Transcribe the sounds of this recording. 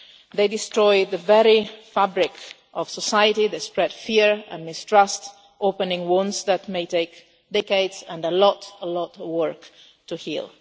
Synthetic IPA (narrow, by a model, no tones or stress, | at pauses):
ðeɪdɪstɹɔjðəvɛɹifabɾɪk | ʔɔv̥sɔsajətiðespɹɛd̥fiɹɛ̰̃nmɪstɹast | ʔoʊpə̃nɪ̃ŋwɔ̃nsðætmeɪteɪk | dɛkeɪdzɛ̃nəlɔtəlɔtwɜɹk | tʰuhḭlˠ